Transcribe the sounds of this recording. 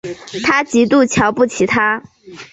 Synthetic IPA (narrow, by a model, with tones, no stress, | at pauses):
t̪ʰa˥t͡ɕi˧˥t̪u˥˩t͡ɕʰjɑ˧˥ʊpu˥˩t͡ɕʰi˧˥t̪ʰa˥